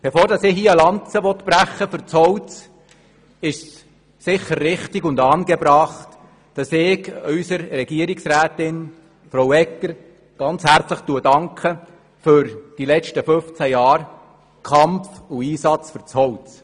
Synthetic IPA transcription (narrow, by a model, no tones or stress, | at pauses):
b̥efoːɾdɑsɪhiːəlɑnt͡səʋɔt̪b̥ɾæχəfʏɾt͡shɔwt͡s | ɪʃs | sɪχːəɾːɪχtɪɡʊndɑːnɡɛbɾɑχt | d̥ɑsɪːkœʏsəɾrɛɡ̥iəɾɪksɾæːtɪn | fɾowɛkːəɾ | ɡ̥ɑnt͡shæɾt͡sləχtuədɑŋkʰə | fʏɾd̥ilɛt͡ʃtəfʏft͡sæjɑːɾ | kʰɑmfuiːsɑt͡sfʏɾt͡shɔwt͡s